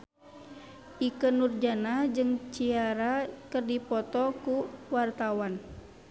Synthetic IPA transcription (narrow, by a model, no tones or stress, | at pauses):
ikənurd͡ʒanad͡ʒɨŋt͡ʃiaɾakərdipɔt̪ɔkuwart̪awan